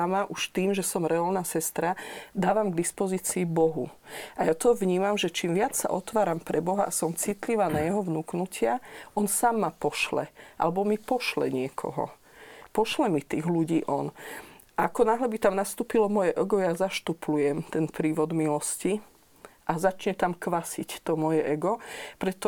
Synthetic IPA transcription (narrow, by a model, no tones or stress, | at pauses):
amaʔuʃt̪iːmʒɛsɔmɾɛalnasɛst̪ɾad̪aːʋamɡd̪ispɔziːt͡siːbɔɦṵʔajat̪ɔʋɲiːmamʒɛt͡ʃiːmʋɪat͡ssa̰ʔɔt̪ʋaːɾampɾɛbɔɦaʔasɔmt͡sit̪liʋaːnajɛɦɔʋnuːknucɪaʔɔnsaːmːapɔʃlɛ̰ʔa̰lɛbɔmipɔʃlɛ̰ɲɪɛkʰɔ̰ɦɔ̰ | pɔʃlɛmit̪iːɣluɟiːʔɔnʔaakɔnaːɦlɛbit̪amnast̪uːpilɔmɔjɛʔɔɡɔjazaʃt̪uplujɛmt̪ɛnpɾiːʋɔd̪milɔsci | ʔazat͡ʃɲɛt̪amkʋasict̪ɔmɔjɛʔɛɡɔpɾɛt̪ɔ